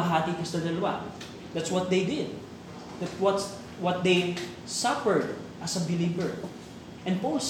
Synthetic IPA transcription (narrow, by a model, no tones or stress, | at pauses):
ɦat̪it̪ɛsd̪ɐd̪ɐlɐwa̰ | d̪at̪swɔt̪̚d̪ejd̪ɪd̪̚ | d̥̪at̪wɔt̪ | wɔt̪̚d̪ej | sapə˞d̪ | ʔɐsɐbɪlivɛɹ | ʔɛ̃npols